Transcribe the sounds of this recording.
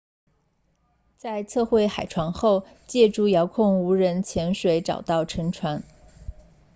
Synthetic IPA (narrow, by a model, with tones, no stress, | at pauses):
t͡sa˥˧ɪt͡sʰɤ˥˧xwe˥˩ɪxa˨˩ɪʈ͡ʂʰwa˧˥ŋxo˥˧ʊ | t͡ɕjɛ˥˧ʈ͡ʂu˥˩jɑ˧˥ʊkʰʊ˥˩ŋu˧˥ɻə˧˥nt͡ɕʰjɛ˧˥nʂwe˧˥ɪʈ͡ʂɑ̰˨˩ʊt̪ɑ˥˩ʊʈ͡ʂʰɤ˧˥ŋʈ͡ʂʰwa˧˥n